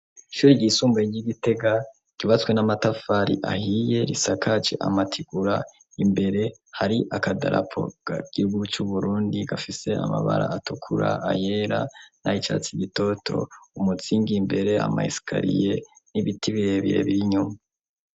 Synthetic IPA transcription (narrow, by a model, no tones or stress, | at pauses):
iʃuːɾiɟisuːmbeiɟiɡite̞ɡa | ɟ̥uβat͡swe̞namatafaɾḭʔa̰hije̞ɾisakʰat͡ʃe̞̰ʔa̰matʰiɡ̥uɾa | imbe̞ɾe̞haɾiʔakadaɾa̰pʰo̞̰ɡ̥aɡ̥ihuɡut͡ʃuβuɾuːndiɡafise̞a̰ma̰βa̰ɾa̰atukʰuɾa̰aje̞ːɾanait͡ʃa̰t͡siɡito̞tʰo̞̰umut͡siːŋɡimbe̞ɾe̞a̰ma̰isi̥kʰa̰ɾḭje̞niβitʰiβiɾeβiɾe̞̰βiɾiɲuma